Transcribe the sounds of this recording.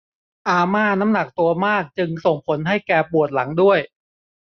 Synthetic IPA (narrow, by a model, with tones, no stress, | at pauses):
ʔaː˧maː˥˩na˦˥mna˨˩k̚t̪u˧ɐmaː˥˩k̚t͡ɕɯ˧ŋso˨˩ŋpʰo˩˦nɦa˥˩jkɛː˧pu˨˩ət̪̚la˩˦ŋdu˥˩əj